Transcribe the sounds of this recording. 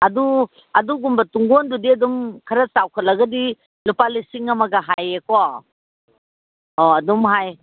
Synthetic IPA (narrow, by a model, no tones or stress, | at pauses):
ɐdu | ɐduɡumbɐtuŋɡondudiɐdumkʰɐɾɐsawkʰɐt̚lɐɡɐdi | lupalisiŋɐmɐɡɐɦajekɔ | ɔɐdumɦaj